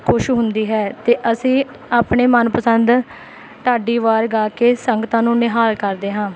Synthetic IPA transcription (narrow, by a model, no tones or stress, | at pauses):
kʰoʃɦʊnd̪iːɦɛːt̪eːʔəsĩː | aːpɳeːmənpəsənd̪ | ʈ̪aːɖiːʋaːɾɡaːkeːsəŋɡət̪ãːnũːnɪɦaːlkəɾd̪eːɦãː